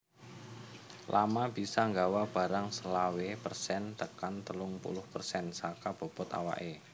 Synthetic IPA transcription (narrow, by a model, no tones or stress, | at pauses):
lʔamab̥isaŋɡawab̥a̤ɾaŋsəlawepərsɛnt̪əkant̪əlʊŋpṵlʊhpərsɛnsakab̥o̤pɔt̪a̰wa̰ʔe